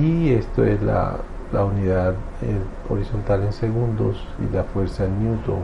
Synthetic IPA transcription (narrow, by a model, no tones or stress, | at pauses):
iest̪oe̞zla̰ | launiðað | e | o̰ɾiso̞nt̪alense̞ɣund̪o̞s | ḭlafwe̞ɾsaenːjut̪o